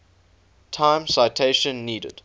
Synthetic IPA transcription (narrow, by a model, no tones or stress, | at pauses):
tʰãɪ̃msaɪtʰeɪʃə̃nːiːdə̰d̥